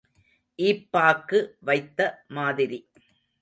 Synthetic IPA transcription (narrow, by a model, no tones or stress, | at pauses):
ʔiːpːaːkːɯʋɐɪt̪ːɐmaːðɪɾi